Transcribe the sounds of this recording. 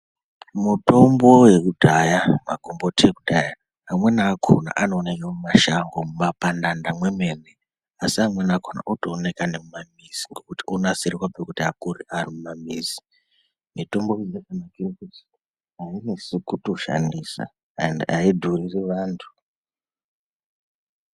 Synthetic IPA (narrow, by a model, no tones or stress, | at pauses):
muto̞mbo̞je̞kudʱajama̰kombotʰiekudʱaja | amwe̞naːkʰo̰na̰ʔanoːnekamumaʃaŋɡomumapandandamwe̞mene | asiamwenakʰona̰ʔotoːne̞kanemumamiz̥iŋɡo̞kutionasiriwapekutiakuɾiʔarimumamiːzi̥ | mito̞mboizekanakirikuti̥ | ainisikuto̞ʃa̰ndisa̰ | ndiaidʱuririʋaːntʰu̥